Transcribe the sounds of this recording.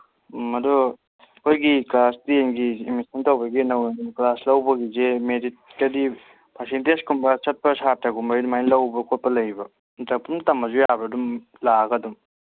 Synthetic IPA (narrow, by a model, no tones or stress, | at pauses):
mɐdu | kʰojɡiklastienɡiːmisɐntowbɐɡinɐwjenklaslɐwbɐɡizemedit̚kɐdi | pʰasenteskumbɐt͡ʃɐt̚pɐsaɾ̚taɡumbajnumajnlɐwbɐkʰot̚pɐlɐjbɐ | dɐpuntɐmɐzujabɾɐdum | laɡɐdum